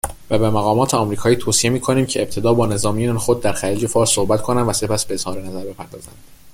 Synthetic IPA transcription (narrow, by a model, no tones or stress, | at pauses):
væbemæɣɒːmɒːt̪ʰeɒmɾiːkʰɒːiːt̪ʰoːsijemiːkʰo̞niːmcʰe̞eb̚t̪ʰe̞d̪ɒːbɒːne̞zɒːmijeænxod̪̚ːæɾxæɾiːd͡ʒe̞fɒːɾsːohbæt̪kʰo̞nænvæse̞pæsb̥eez̥hɒːɾenæzæɾbe̞pʰæɾd̪ɒːzæ̰nd̪̥